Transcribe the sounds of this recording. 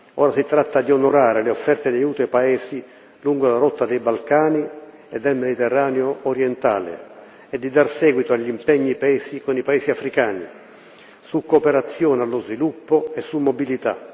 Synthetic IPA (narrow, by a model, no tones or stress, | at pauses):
ɔːɾasit̪ːɾat̪ːad̪ionoɾaːɾeleofːɛrt̪ed̪ajuːt̪paɛːsi | luŋɡolaɾɔt̪ːad̪ejbalkaːni | ɛd̪ːelmed̪it̪ɛrːaːneoːɾjɛnt̪a̰ːlɪ̰ | ɛd̪ːid̪arsɛːɡwit̪oaʎːimpɛɲːipaɛːsikonipaɛːsiafɾikaːnḭ | sukːopeɾat̪sːjɔːnealːʊzvilupːoɛsːumːobilit̪a̰